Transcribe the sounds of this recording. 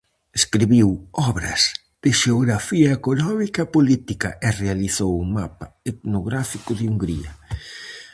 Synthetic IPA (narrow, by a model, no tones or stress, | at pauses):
eskɾiβiwɔβɾɐ̰z̥ | ð̥ɪʃeoɣɾafiɐekonɔmikɐpolit̪ikɐʔerealiθowumapaet̪noɣɾafikʊðɪuŋɡɾiɐ